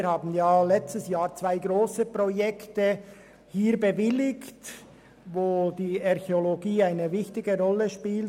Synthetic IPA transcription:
ɾhaːbn̩jaːlɛt͡stəsjaːɾt͡sv̥aɪɡʁoːsəpʁojɛktə | hiːɾbəvɪlɪkt | voːdiːɑʁçeoloɡiːaɪnəvɪçtɪɡəʁɔlːəʃpiːl

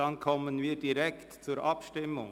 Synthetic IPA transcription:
ɑnkʰɔmənviːɾd̥iɾɛktt͡suːɾʔɑpʃtɪmːʊŋ

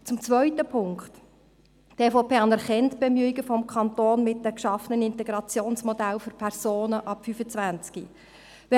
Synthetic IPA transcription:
t͡sʊmt͡sʋœʏtəpʰʊŋkt | teːfɔʊpʰeːɑnɛɾχɛntb̥ɛmyiɡəfɔmkʰɑnt̪oːnmɪt̚dəkʃɑfənənɪnt̪ɛɡɾɑt͡sjoːnsmɔdælfʏɾpʰɛɾzoːnəʔɑpfyfət͡svʋænt͡skḭ | ʋɛ

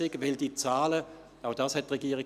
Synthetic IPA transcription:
ɪɡvɪldiːt͡saːlə | aʊd̥aːshɛtːʁeɡiːʁɪ

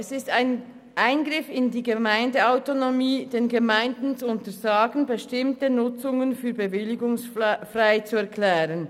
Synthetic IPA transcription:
ʔɛsɪstaɪn | ʔaɪnɡʁɪfɪndiːɡəmaɪndəaʊtonomiːd̥eːnɡəmaɪndn̩t͡suʊntəzaːɡn̩bəʃtɪmtənʊt͡sʊŋənfyːɐbəvɪlɪɡʊŋsfʁaɪt͡suɛɐkʰlɛːʁən

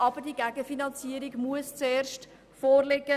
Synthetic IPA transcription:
ɑb̥əɾdiəɡæɡəfinɑnt͡siəɾiɡmuəst͡seːɾʃt | foːrleɡə

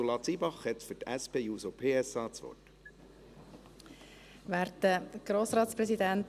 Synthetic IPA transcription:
ulɑt͡siːbɑχhɛt̪fyɾtæspʰeːjuːsopʰeːɛsɑːt͡sʋɔ̰t | ʋæːɾtːəɡ̥ɾoːsɾɑːtsprɛsidænt

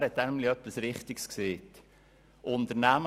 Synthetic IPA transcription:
hɛt̚ːænmliœpːisɾɪχtɪkskseːt | ʔʊntəɾnæm

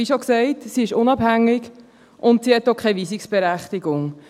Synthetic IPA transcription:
iʃoksɛɪtsiɪʃʊnɑbhæŋːɪɡ | ʔʊntsiːhɛtːokʰχɛɪviːsɪksb̥ɛɾæχtɪɡʊŋ

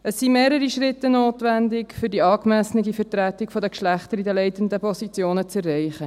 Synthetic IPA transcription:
əsːimeːɾəɾiʃɾɪtːənoːtʋændɪkfʏɾdiɑːkmæsənəɡifəɾtɾætɪkfɔdəkʃlæχtəɾidəlɛɪtəndəpʰɔsit͡sjoːnət͡sɛrːɛɪχə

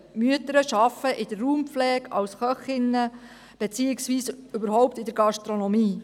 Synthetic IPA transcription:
myət̪əɾəʃɑfəʔɪd̥̪əɾːuːmpflɛːɡɑ̰wsχœχɪnːə | b̥et͡siːɪksʋiːsʏbəɾɦɔwpt̪ɪd̪əɾɡɑʃtɾonɔmiː

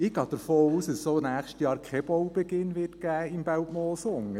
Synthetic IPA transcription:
ɪɡ̥ɑːd̥̪əɾfoːuːsdəssoːnæːχʃtjɑːɾkʰχɛb̥ɔwb̥ɛɡ̥ɪnʋɪrtɡ̥æːɪmb̥æwtmɔːsʊŋə

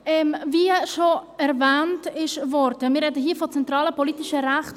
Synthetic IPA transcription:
ɛmviːəʃoɛɾvɛːntɪʃvɔɾdəmɪɾɛdəɦiːfɔt͡sɛntɾɑːləpoliːtɪʃəɾaχt

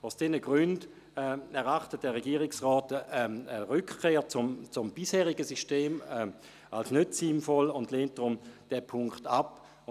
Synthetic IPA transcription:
oʊsd̥ɛnəɡ̥ʁʏnd | ɛɛɐʁaχtət̚d̥ɛʁɛɡiːʁɪksʁɔːtəəʁʏkkʰeːɐt͡sʊmt͡sʊmb̥ishɛːʁɪɡəsiʃteːmɛ | alsnøtsinfɔlʊndleːnt̚d̥ʁʊmd̥ɛpʰʊŋkχtap

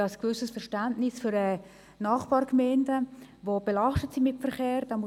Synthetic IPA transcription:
ɑskvʏsəsfɛrʃtantnɪsfʏɾɛ | nɑːχb̥ɑːɾɡmɛɪndəvobɛlɑʃtətsimɪtfɛɾχeːɾd̥am

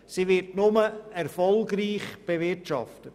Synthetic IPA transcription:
siʋɪɾtnʊməɛɾfɔlˠɡɾiːχb̥evɪɾtʃɑ̰ftət

